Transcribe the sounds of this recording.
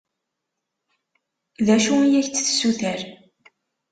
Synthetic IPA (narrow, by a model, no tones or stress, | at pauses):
ðæʃuijæçt͡sːθsːuθæɾ